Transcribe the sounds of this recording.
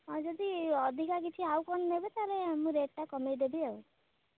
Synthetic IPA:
ɔd͡ʒɔd̪iɔd̪ʱikakit͡ʃʰiawkɔnɔnebet̪aɾeamũɾeʈʈakɔmejd̪ebiaut͡ʃi̥

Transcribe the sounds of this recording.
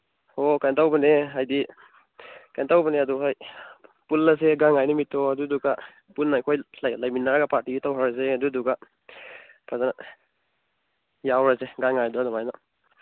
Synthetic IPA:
okajntawbɐneɦajdi | kajntawbɐneɐduɦaj | pulːas̬eɡaŋajnɐmitʰːoɐduduka | pulnajkʰojlalajminːaɾaɡapaɾtiɡitawɦaɾaz̬eɐduduɡa | pazana | jawɾaseɡaŋajduadamajna

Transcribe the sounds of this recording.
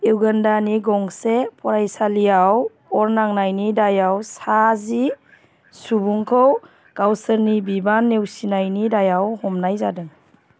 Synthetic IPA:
ewɡandaniɡɔŋsepʰɔɾajsaliaw | ɔɾnaŋnajnidajawsazi | subuŋkʰɯw | ɡ̥awsəɾnibibanːewsinajnidajawhɔmnajzadɯŋ

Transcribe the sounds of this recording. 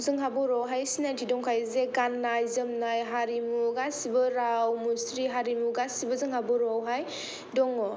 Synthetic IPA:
zɯŋɦabɔɾɔwɦajsinajtʰidɔŋkʰajzeɡanːajzɯmnajɦaɾimuɡasibɯɾawmusɾiɦaɾimuɡasibɯzɯŋɦabɔɾɔwɦaj | dɔŋɔ

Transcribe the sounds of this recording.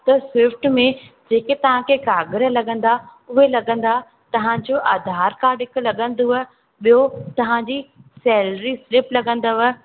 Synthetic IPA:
t̪ɐswɪfʈmẽd͡ʑeːket̪ɐʋ̤ãkʰekaːɡɪɾəlɐɠə̃nd̪aʊɦelɐɡə̃n̆d̪a | t̪ɐʋ̤ãd͡ʑoːʔaːd̪ʱaːɾkaɖɪklɐɠə̃nd̪oə | ɓijot̪ɐʋ̤ãd͡ʑiːsɛːlɾislɪplɐɡə̃nd̪aʋə

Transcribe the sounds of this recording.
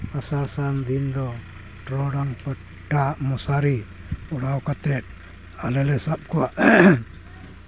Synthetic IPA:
asaɽsand̪ind̪ɔ | ʈɾɔɽɔnpə | ʈaʔmɔsaɾiuɽawkat̪ɛt̪̚ | alɛlɛsap̚kɔwaʔ

